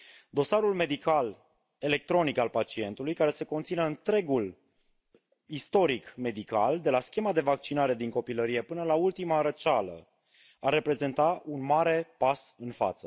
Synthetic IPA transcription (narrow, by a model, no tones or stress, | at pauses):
d̪o̞saɾulme̞d̪ikal | e̞le̞k̚t̪ɾo̞nikalpat͡ʃie̞nt̪ulujkaɾe̞se̞ko̞nt̪sineɨnt̪ɾe̞ɡul | ist̪o̞ɾikme̞d̪ika̰ld̪e̞laskʲe̞mad̪e̞vak̚t͡ʃinaɾe̞d̪iŋko̞piləɾije̞pɨnəlault̪imaɾət͡ʃalə̰ | arːe̞pɾe̞ze̞nt̪aunmaɾe̞pasɨnfa̰t̪sə